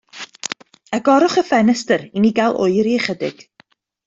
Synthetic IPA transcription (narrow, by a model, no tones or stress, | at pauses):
əɡɔɾʊχəfɛnɛstəɾiniɡalˠʔo̰ɨɾiəχədɪ̰ɡ̥